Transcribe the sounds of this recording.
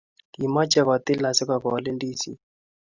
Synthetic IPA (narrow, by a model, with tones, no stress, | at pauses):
i˨ma˦t͡ʃɛ˦kwa˨t̪ɪ˦la˨sɪ˦ka˨kɔ˨lɛ˦ndi˦sḭ˦